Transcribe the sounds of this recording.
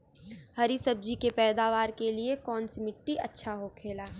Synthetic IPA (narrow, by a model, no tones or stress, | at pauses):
hɐɾisɐb̚d͡ʒikepɛːd̪aːʋaːɾkeliekɔːnsimɪʈːiʔɐtːʃʰaɦokʰeːlaː